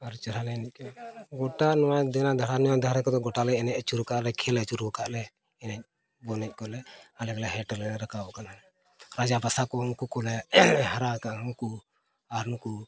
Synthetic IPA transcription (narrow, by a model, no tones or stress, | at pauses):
aɾt͡ʃəɾalɛnɛc̚kɔɡɔʈanɔwad̪ɛnad̪ʱaɾanɔwad̪ʱaɾɛkɔd̪ɔɡɔʈalɛɛnɛc̚ət͡ʃuɾkaʔlɛkʰɛlɛt͡ʃuɾbɔkaʔlɛ | ɛnɛc̚ | bɔnɛc̚ˀkɔlɛalɛɡlɛɦɛʈəlɛnɛɾəkaɔʔkana | ɾad͡ʒabasakɔɦɔŋkukɔlɛɦaɾakaʔɔŋku | aɾnuku